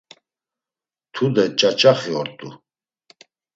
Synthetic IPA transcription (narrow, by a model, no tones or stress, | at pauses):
t̪ʰud̪ɛt͡ʃʼat͡ʃʼaχiɔɾt̪ʼṵ